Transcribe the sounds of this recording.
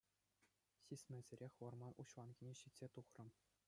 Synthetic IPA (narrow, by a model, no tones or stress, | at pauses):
ɕʲisʲmʲɘ̆zʲɘ̆ɾʲexʲʋɤ̆rmɑnʔuɕʋɑnɡʲinʲeɕitʲsʲet̪uχrɤ̆m